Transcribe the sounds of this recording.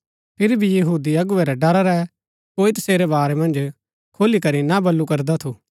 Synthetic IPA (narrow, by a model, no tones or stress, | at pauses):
pʰɪɾibʱijɐɦuːd̪iɐɡʊʋɛɾɛɖɐɾaɾɛ | koːit̪ɐseːɾɛbaːɾɛmɐ̃nd͡ʒ | kʰoːlikɐɾinabɐlːukɐɾd̪at̪ʰu